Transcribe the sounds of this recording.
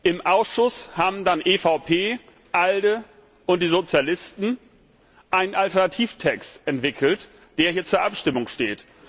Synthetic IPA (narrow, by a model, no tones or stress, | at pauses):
ʔɪmʔaʊsʃʊshaːbm̩danʔefaʊpʰeː | ʔaldə | ʊnt̚d̥iːzot͡sjalɪstn̩ | ʔaɪnənʔaltɛɐnatʰiːftʰɛkstʔɛntv̥ɪkʰl̩t | d̥eːɐhiːɐt͡suːɐʔapʃtɪmʊŋʃteːt